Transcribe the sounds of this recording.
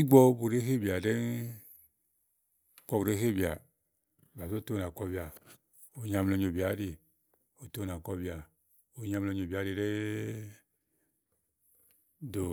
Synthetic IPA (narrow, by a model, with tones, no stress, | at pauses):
i˦ɡ͡bɔ˧˦bu˨ɾe˦ɦe˦˨bi˨a˨de˦n | kɔ˧bu˨ɾe˦he˦˨bi˨a˨ | ba˨so˦to˦˧na˨kɔ˧bi˨a˨ | o˧ɲa˧mlo˧ɲ˨o˨bi˨a˨˦ɾi˧ | o˨to˦˨n˨a˨kɔ˧bi˨a˨ | o˧ɲa˧m˧lo˧˨ɲ˨o˨ba˨˦ɾi˧ɾe˦ | do˨